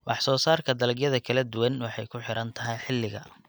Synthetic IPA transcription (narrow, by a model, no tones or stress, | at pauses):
wɑħsɔːsaːrkʰɐd̪ɐlɐɡjɐðɐkʰɐlɐd̪ʊwɐnwɑħɑjkʰʊħɪɾɐnt̪ʰɐɦɛjħɪlːɪɣɐ̰